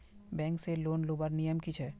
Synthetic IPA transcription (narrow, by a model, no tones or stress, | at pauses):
bɛ̃ːŋkseloːnloːbəɾnijəmkit͡ʃʰɛː